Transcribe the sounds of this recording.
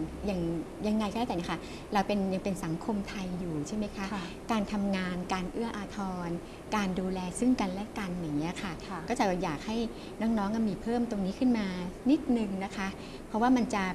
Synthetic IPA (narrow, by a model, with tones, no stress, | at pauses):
ja˨˧˩ŋja˧ŋːa˧jkɔː˥˩aː˥˩ɛ˨˩ni˦˥kʰa˥˩ | ɾa˧wpe˧nja˨˩ŋpe˧nsa˩˦ŋkʰo˧mt̪ʰa˧jːuː˨˩t͡ɕʰa˥˩jma˦˥jkʰa˦˥ʔ | kaː˧nt̪ʰa˧mŋaː˧nkaː˧nʔɯ˥˩ɐʔaː˧t̪ʰɔː˧n | kaː˧nduː˧lɛː˧sɯ˥˩ŋka˧nlɛ˦˥ka˧nja˨˩ŋːi˦˥ɐ˩kʰa˥˩kɔː˥˩t͡ɕa˨˩˥jaː˨˩k̚ha˥˩j | nɔ˦˥ŋnɔː˦˥ŋʔa˧nmiː˧pʰɤː˥˩mt̪o˧ŋniː˦˥kʰɯ˥˩nmaː˧ni˦˥t̪̚nɯ˨˩ŋna˦˥kʰa˦˥ʔ | pʰɔ˦˥waː˥˩ma˧nt͡ɕa˨˩